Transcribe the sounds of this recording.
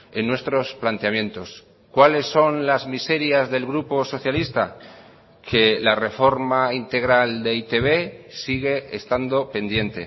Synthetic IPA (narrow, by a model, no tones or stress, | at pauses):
e̞nːwe̞st̪ɾo̞splant̪eamje̞nt̪o̞s | kwale̞sːo̞nlazmise̞ɾjazðe̞lɣɾupo̞so̞θjalist̪a | kʰe̞lare̞fo̞ɾmaint̪e̞ɣɾald̪e̞it̪e̞βe̞siɣ̞e̞est̪and̪o̞pe̞nd̪je̞nt̪e̞̰